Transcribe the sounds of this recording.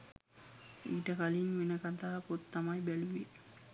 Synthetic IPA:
iːʈɐkɐliŋʋenɐkɐt̪aːpot̪ːɐmɐjbɛluʋi

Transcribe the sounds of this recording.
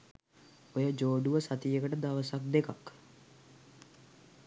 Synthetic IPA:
ojəd͡ʒoːɖuʋəsat̪ijəkəʈəd̪aʋəsak̚d̪ekak

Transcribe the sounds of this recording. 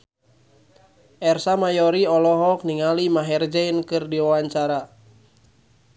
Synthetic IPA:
ʔɛrsamajɔɾiɔlɔɦɔk̚niŋalimaɦɛrd͡ʒainkɨrdiwawaɲt͡ʃaɾa

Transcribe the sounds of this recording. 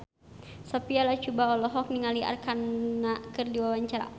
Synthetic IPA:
sɔpialat͡ʃubaɔlɔɦɔk̚niŋalia̰rkanːakɨrdiwawaɲt͡ʃaɾa̰

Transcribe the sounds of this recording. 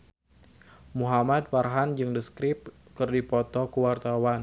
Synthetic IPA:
muɦamad̪̚parɦand͡ʒɨŋdəskɾɪp̚kɨrdipɔt̪ɔkəwart̪awan

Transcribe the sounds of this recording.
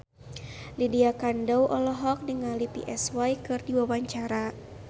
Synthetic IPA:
lidiakandawʔɔlɔɦɔk̚dəŋalipḭʔɛswajkɨrdiwawaɲt͡ʃaɾa

